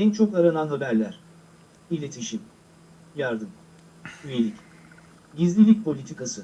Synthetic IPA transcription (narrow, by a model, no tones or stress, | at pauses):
ɛnt͡ʃʰo̞kaɾananɦabæɾlʲæɾ̥ | ilʲe̞t̪ʰiʃim | jaɾd̪ɯm | yje̞lʲic | ɟizlʲilʲic̚ʲpʰo̞lʲit̪ʰikasɯ